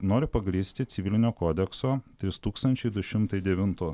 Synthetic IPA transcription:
noːɾʲʊpɐɡɾʲiːsʲt̪ʲɪt̪sʲɪʋʲɪlʲɪnʲoːkoːd̪ʲɛksoːt̪ʲɾʲɪst̪uːkst̪ɐnʲt͡ʃʲɛɪd̪ʊʃʲɪmt̪ɐɪd̪ʲɛʋʲɪnt̪ʊː

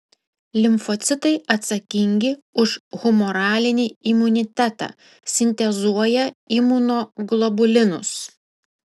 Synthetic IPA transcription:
lʲɪmfɔt̪sʲɪt̪ɐɪɐt̪sɐkʲɪŋʲɡʲɪʊʃɣʊmɔɾɑːlʲɪnʲiːimʊnʲɪt̪ʲæt̪ɑ̰ː | sʲɪnʲt̪ʲɛzuɔjɛimʊnoːɡlˠɔbʊlʲɪnʊs

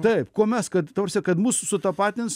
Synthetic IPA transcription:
t̪ɐɪpkuɔmʲɛskɐt̪t̪ɐprɐsʲɛkɐt̪muːssʊt̪ɐpɑːt̪ʲɪns

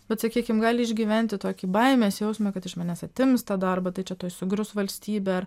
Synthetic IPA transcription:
bʲɛt̪sɐkʲiːkʲɪmɡɑːlʲɪɪʒʲɡʲiːʋʲɛnʲt̪ʲɪt̪oːkʲiːbɐɪmʲeːsjɛʊsʲmɐkɐt̪ɪʃmɑːnʲeːsɐt̪ʲɪmst̪ɑːd̪ɐrbɐt̪ɐɪt͡ʃʲɛt̪oːjsʊɡɾʲʊsʋɐlʲsʲt̪ʲiːbʲeːɐr

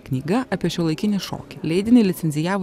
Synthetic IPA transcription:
knʲiːɡɐɐːpʲiɛʃʲuːlˠɐɪkʲɪnʲɪʃo̰ːkʲɪlʲɛɪd̪ʲɪnʲeɪlʲɪt̪sʲɛnʲzʲɪjæːʋo

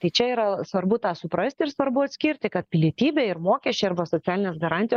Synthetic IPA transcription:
t̪ɐɪt͡ʃʲɛiːɾɐsʋɐɾbʊt̪ɑːsʊpɾɐsʲt̪ʲɪɾsʋɐɾbʊɐt̪ʲsʲkʲɪɾʲt̪ʲɪkɐt̪̚pʲɪlʲiɛt̪ʲiːbʲeːɪɾmoːkʲɛʃʲt͡ʃʲɛɪɐɾbɐsoːtt͡s̪ʲæːlʲɪnʲeːsɡɐɾɑːnt̪ʲɪj

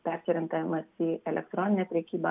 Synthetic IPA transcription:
pʲæɾʲsʲɪɾʲɪŋk̪ɐʋʲɪmɐsiːɛlʲɛ̰kt̪ɾɔːnʲɪnʲɛpʲɾʲɛkʲiːbɐ

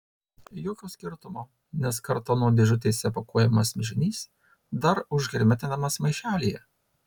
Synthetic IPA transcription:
joːkʲoːsʲkʲɪɾt̪ʊmoː | nʲɛskɐɾt̪oːnuɔd̪ʲɪʒʲʊt̪ʲeːsʲɛpɐkuɔjɛmɐsmʲɪʒʲɪnʲiːs | d̪ɐɾʊʒʲɡʲɾʲmʲɛt̪ʲɪnɐmɐsmɐɪʃʲæːlʲijɛ

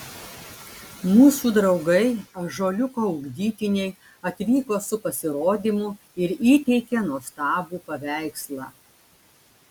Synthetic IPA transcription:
muːsuːd̪ɾɒʊɡɐɪɐʒoːlʲʊkoːʊɡd̪ʲiːt̪ʲɪnʲɛɪ | ɐt̪ʲʋʲiːkoːsʊpɐsʲɪɾoːd̪ʲiːmʊ | ɪɾiːt̪ʲɛɪkʲɛnuɔst̪ɑːbuːpɐʋʲæˑɪkslˠɑː

